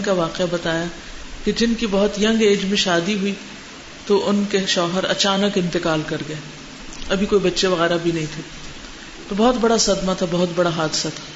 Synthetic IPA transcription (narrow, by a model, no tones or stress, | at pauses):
kaʋaːqeabɐt̪aːja | ked͡ʒɪnkibɐɦʊt̪jɐ̃ŋɡeːd͡ʒmẽʃaːd̪iɦui | t̪oʔʊnkeʃɔːɦəɾɐ̰t͡ʃaːnəkɪ̃nt̪ɪkaːlkɐɾɡɐeː | ɐbʱikoːibɐtːʃeʋɐɣɛːɾabʱinɐɦĩt̪ʰe | t̪obɔːʊt̪bɐɽasɐd̪mat̪ʰabɔɦʊt̪bɐɽaɦaːd̪ɪsat̪ʰḁː